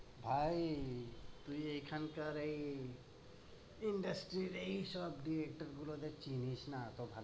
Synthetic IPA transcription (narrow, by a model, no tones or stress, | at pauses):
bʱai | t̪uejkʰankəɾəi | iɳɖəsʈɾiɾeisɔbɖiɾek̚ʈəɾɡulod̪et͡ʃinit͡ʃnat̪obʱal